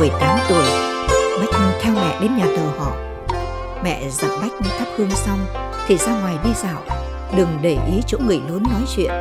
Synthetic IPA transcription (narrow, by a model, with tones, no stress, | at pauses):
ɨ˧˩əjt̪aː˨˦mt̪u˧˩əjɓa˦˥k̟̚ɲɨ˧nt̪ʰɛ˧wmɛ̰˧˨ɗe˨˦nɲaː˨˩t̪əː˨˩hɔ̰˧˨ | mɛ̰˧˨za˨˩p̚ɓa˦˥jk̟̚nɨ˧t̪ʰa˦˥p̚hɨ˧əŋsa˧wŋ͡m | t̪ʰi˨˩zaː˧ŋwaː˨˩jɗi˧za̰ː˧˨w | ɗɨ˨˩ŋɗə˧˩jʔi˨˦t͡ɕo̰˧˥ŋɨ˨˩əjlu˨˦nːɔ˨˦jt͡ɕwḭ˧˨ən